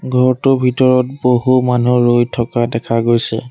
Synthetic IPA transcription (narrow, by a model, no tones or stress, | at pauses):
ɡʱɔɹtʊbʱitɔɹɔt̚boɦumanuɹojtʰɔkadɛkʰaɡojsɛ̰